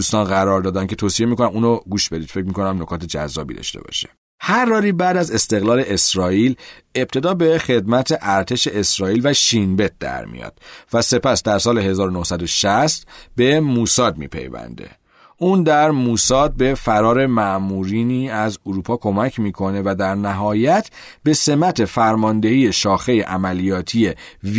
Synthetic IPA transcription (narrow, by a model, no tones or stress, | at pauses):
uːst̪ɒːnɣæɾɒːɾd̪ɒːd̪æncʰe̞t̪ʰosije̞miːkʰonæmuːnoɡuːʃbe̞d̪id̪̥fe̞c̚mikʰo̞næmnokʰɒːt̪ʰe̞d͡ʒæ̰zːɒ̰ːbḭd̪ɒ̰ʃt̪e̞̰bɒ̰ʃe̥ | hæɾːɒːɾiːbæd̪æze̞st̪e̞ɣlɒːle̞ʔesɾɒːiːle̞b̚t̪ʰe̞d̪ɒːbe̞χe̞d̪mæt̪ʰeʔæɾt̪ʰe̞ʃe̞esɾɒːiːlvæʃinbe̞t̪̚d̪æ̰ɾmḭjɒ̰ːd̪̥væse̞pæsd̪æɾsɒːle̞ɦe̞zɒːɾonohsæd̪o̞ʃæst̪be̞muːsɒːd̪̚mḭːpʰḛjvæ̰nd̪e̞̰ | ʔuːnd̪æɾmuːsɒːd̪̚be̞fæɾɒːɾe̞mæmuːɾiːniːæzoɾuːpʰɒːkʰo̞mæcʰmiːkʰo̞ne̞væd̪æɾnæɦɒːjæt̪ʰ | be̞se̞mæt̪ʰe̞fæɾmɒːnd̪e̞hiːje̞ʃɒːxe̞jeʔæmælijɒːt̪ʰijev